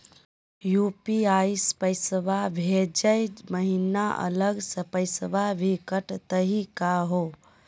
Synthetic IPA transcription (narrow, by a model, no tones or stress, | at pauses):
jupiaispəɪsəʋabʱed͡ʒəjməɦinaʔə̰ləɡsəpəɪsəʋabʱikəʈt̪əɦikaɦo